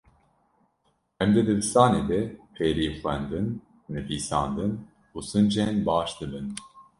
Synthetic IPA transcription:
hɛmd̪ɛd̪ɨbɨst̪ɑːneːd̪ɛpʰeːɾiːxʷwɛnd̪ɨnː | ɨviːsɑ̰ːnd̪ɨn | uːsɨnd͡ʒɛnbɑːʃd̪ɨbɨn

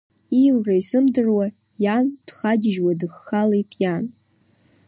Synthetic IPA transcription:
iwraisɨmdɨrwa | jand̥χaɡʲɪʒwadɨχːalejtʼjan

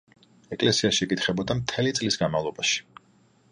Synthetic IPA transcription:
ɛkʼlɛsiaʃiɛkʼit̪ʰχɛbɔd̪amt̪ʰɛlit̪sʼlisɡanmavlˠɔbaʃi̥

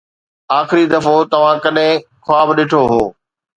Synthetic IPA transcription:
aːxɪɾid̪ɐfot̪ɐʋ̤ãkɐɗɪ̃kʰoaːbɗɪʈʰoɦoː

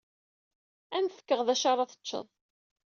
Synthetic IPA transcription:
ænθə̥kːəʁðæʃɑɾˤɑθə̥t͡ʃːə̰ðˤ

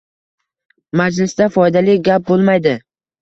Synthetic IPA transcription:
mad͡ʒlɪsd̪afɒjd̪alɪɡʲap̚bolˠmajd̪ɪ

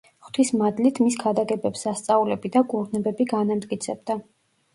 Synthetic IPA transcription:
χt̪ʰismad̪lit̪ʰmiskʰad̪aɡɛbɛpsast̪sʼaulɛbid̪akʼuɾnɛbɛbiɡanamt̪ʼkʼit̪sʰɛb̚d̪a

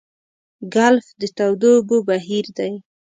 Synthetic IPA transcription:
ɡalfd̪ət̪awd̪obobaɦiɾd̪aj

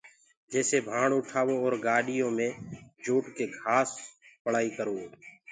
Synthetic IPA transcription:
d͡ʒeːseːbʱãːɽʊʈʰaːʋoːɔːɾɡaːɗɪjõːmẽːd͡ʒoːʈkeːɡʱaːspəɽ̤aːiːkəɾoː

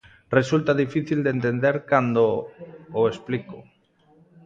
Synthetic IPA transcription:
result̪aðifiθild̪ent̪end̪eɾkand̪ooespliko

